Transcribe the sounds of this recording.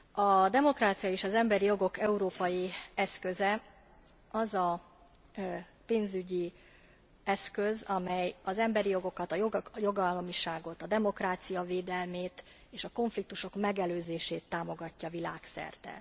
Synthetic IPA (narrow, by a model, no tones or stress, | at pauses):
ɒd̪ɛmo̞kɾaːt̪sijɒeːʃɒzɛmbɛɾijo̞ɡo̞kɛuɾoːpɒjiɛskøzɛ | ɒzɒ | peːnzyɟi | ɛskø̞zɒmɛjɒzɛmbɛɾijo̞ɡo̞kɒt̪ɒjjo̞ɡɒlːɒmiʃaːɡo̞t̪ɒd̪ɛmo̞kraːt̪sijɒveːd̪ɛlmeːt̪ | eːʃɒko̞ɱflik̚t̪uʃo̞kmɛɡɛløːzeːʃeːt̪ːaːmo̞ɡɒcːɒvila̰ːksɛ̰rt̪ɛ̰